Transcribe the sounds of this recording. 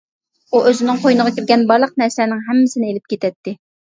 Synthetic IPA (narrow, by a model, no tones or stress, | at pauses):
uʔøzɪnɪŋqʰojnəʁɑkʲiɾɡʲɛnbɑɾlˠəq̚nɛɾslænɪŋɦɛmːɪsɪnɪelɪp̚kʲʰet̪ʰɛt̪ːɪ